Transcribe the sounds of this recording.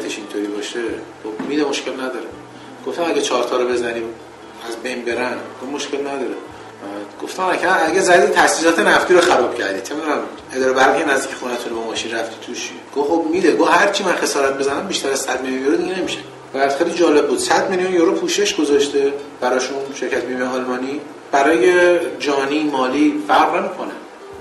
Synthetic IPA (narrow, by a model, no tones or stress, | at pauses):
t̪ʰeʃint̪ʰoɾiːbɒːʃexobmiːd̪emoʃcʰe̞lnæd̪ɒːɾe | ɡ̥oft̪æmæɡʲæt͡ʃʰɒːɾt̪ʰɒːɾobe̞zæniːm | æzbe̞jnbe̞ɾænɡovmo̞ʃcʰe̞lnæd̪ɒːɾe | ɡ̥oft̪æmnæcʰææɡæzæd̪et̪ʰæsiːsɒːt̪ʰe̞næft̪iːɾoxæɾɒːb̥cʰæɾd̪iːt̪ʰemid̪unæm | e̞d̪ɒːɾebæɾʁijenæzd̪icʰexunæt̪ʰunebɒmɒːʃinræft̪iːt̪ʰuʃiɡ̥ovxobmid̪eɡohæɾt͡ʃʰimænxe̞sɒːɾæt̪̚be̞zænæmbiʃt̪æɾæz̥sæd̪̚meljunjoɾod̪iɟenemiʃe | bææd̪̥xelid͡ʒɒːle̞b̚ːuːd̪̥sæd̪meljunjoɾopʰuːʃe̞ʃɡ̥ozɒʃt̪e̞b̥æɾɒːʃunʃe̞ɾcʰæt̪mimeɒːlmɒːni | b̥æɾɒːjed͡ʒɒːniːmɒːliːfæɾʁnemiːkʰonæ̰m